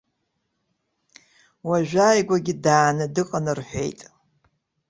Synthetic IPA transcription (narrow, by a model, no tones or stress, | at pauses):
waʒʷᶣaːjɡʷaɡʲɪdaːnɨdɨqʼanɨrħʷe̞̰jtʼ